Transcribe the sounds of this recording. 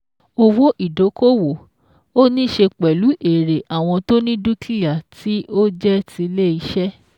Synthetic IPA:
o˦wo˦ʔi˦˨do˨˦ko˦wo˨ | o˦nĩ˦ʃe˧k͡pɛ˨lu˨˦ʔe˨ɾe˨ʔa˨w̃ɔ̃˧to˦nĩ˦du˦kli˦ja˨tʰi˨˦ʔo˦d͡ʒɛ˦tʰi˧le˦i˧˦ʃɛ˦

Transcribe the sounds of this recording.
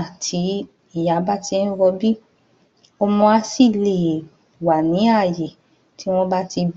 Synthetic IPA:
tʰi˨˦ | i˦˨ja˨˦ba˦ti˧˦ñ˦wɔ˧bi˦ | ɔ˧mɔ̃˧a˧si˦˨le˨ | wa˨nĩ˨˦a˦˨je˨ | ti˨˦w̃ɔ̃˦ba˦ti˧

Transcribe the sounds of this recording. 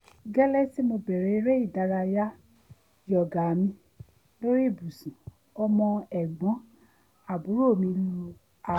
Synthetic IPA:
ɡɛ˦lɛ˦si˦mo˧bɛ˨ɾɛ˨i˧ɾe˦i˦˨da˨˧˦ɾa˧ja˦ | jɔ˨ɡa˨mĩ˧ | lo˦ɾi˦˨bu˨sũ˨ | ɔ˧mɔ̃˧ɛ˨ɡ͡bɔ̃˨˦ | a˦˨bu˨˦ɾo˦˨mĩ˧lu˧ | a˨

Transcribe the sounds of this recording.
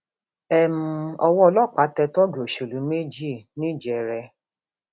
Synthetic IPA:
ɛ˨mũ˨ɔ˧wɔ˦ɔ˧lɔ˦˨k͡pa˨˦tɛ˧tɔ˦ɡe˨o˨ʃe˨lu˨˦me˦d͡ʒi˦˨nĩ˦˨d͡ʒɛ˨ɾɛ˧

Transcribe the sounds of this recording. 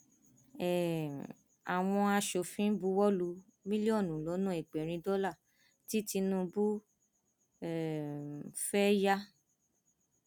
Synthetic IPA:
ɛ˨ | a˨w̃ɔ̃˧a˧ʃo˨fĩ˦bu˨˦wɔ˦lu˧ | mĩ˦li˦ɔ˦˨nũ˨lɔ˨˦nũ˦ɛ˨ɡ͡bɛ˨ɾ̃ĩ˧dɔ˦la˦˨ | ti˦ti˧nũ˧bu˦ | ɛ˨ | fɛ˦ja˦

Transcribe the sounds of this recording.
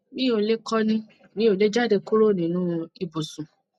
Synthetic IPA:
nĩ˦o˧le˦kɔ˦nĩ˧ | nĩ˦o˨˧˨le˦d͡ʒa˦˨de˧ku˦ɾo˦˨nĩ˨nũ˦i˧bo˨sũ˨

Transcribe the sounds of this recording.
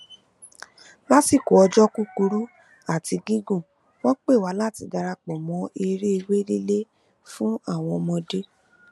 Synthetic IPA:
la˦si˦˨ko˨˦ɔ˧d͡ʒɔ˦ku˦ku˧˦ɾu˦ | a˦˨ti˧ɡĩ˦ɡũ˦˨ | wɔ̃˦k͡pe˦˨wa˨˦la˦˨ti˧˦da˧ɾa˧k͡pɔ˨mɔ̃˨˦e˧ɾe˦e˧we˦le˦le˦ | fũ˦a˦˨w̃ɔ̃˧mɔ̃˧de˦

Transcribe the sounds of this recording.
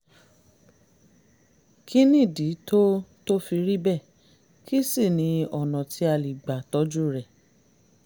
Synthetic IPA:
kʰi˦nĩ˦˨di˨˦to˦to˦fi˧ɾi˦bɛ˦˨ | ki˦si˦˨nĩ˧ɔ˨nɔ̃˨tʰi˧˦a˧˨li˨ɡ͡ba˨tɔ˧˦d͡ʒu˦ɾɛ˨

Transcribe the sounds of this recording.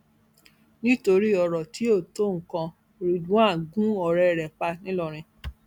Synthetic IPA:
nĩ˦to˧ɾi˦ɔ˧ɾɔ˨ti˨˦o˦˨to˦˨ŋ̩˨kã˧˨ | ɾi˧dũ˦a˦˨ɡũ˦ɔ˨ɾɛ˦˧˨ɾɛ˨k͡pa˧nĩ˦lɔ˦˧˨ɾ̃ĩ˧

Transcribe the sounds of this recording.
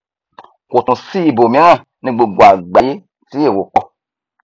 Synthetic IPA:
ko˨tũ˨siː˦˨bo˨mĩ˦ŋã˦˨ | nĩ˧ɡ͡bo˨ɡ͡bwa˨ɡ͡ba˨je˦ | ti˦e˦˨wo˨k͡pɔ˦˧

